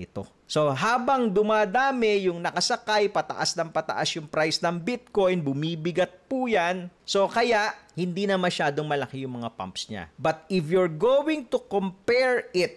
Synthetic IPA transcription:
ɪt̪o̞̰ | so̞ɦaːbɐŋd̪ʊmaːd̪aːmɛjʊŋnɐkɐsɐkajpɐt̪ɐ̰ʔasnɐŋpɐt̪ɐ̰ʔasjʊŋpɾajsnɐŋbɪt̪̚ko̞jnbʊmiːbɪɡɐt̪̚puːjanso̞kɐjaʔhɪnd̪iːnɐmɐʃaːd̪oŋmɐlɐkɪjʊŋmɐŋapa̰mpsɲa̰bɐt̪̚ɪfjuɹɡoːwɪŋt̪ʊkompɛɹɪt̪̚

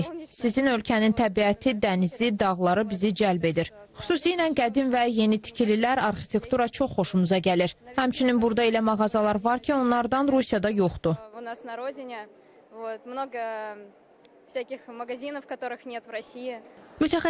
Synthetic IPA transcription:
sizinø̞lcʰænint̪ʰæbiæt̪ʰid̪ænizid̪ɑɣlˠɑɾɯbizid͡ʒælbe̞d̪iɾ | χy̥susijnænɡæd̪invæje̞nit̪ʰi̥cʰililæɾɑɾxi̥t̪ʰe̞kt̪uɾɑt͡ʃʰo̞χːo̞ʃumuzɑɟæliɾhæmt͡ʃʰyninbuɾd̪ɑilæmɑɣɑzɑlˠɑɾvɑɾcʰio̞nlˠɑɾd̪ɑnɾusijɑd̪ɑjo̞χd̪uʊnasnɐɾo̞dʲɪnʲɪ | vot̪mno̞ɡə | fsʲækʲɪxməɡɐzʲinəfkɐt̪o̞ɾɨxnʲet̪vrɐsʲiɪmyt̪ʰæxæ

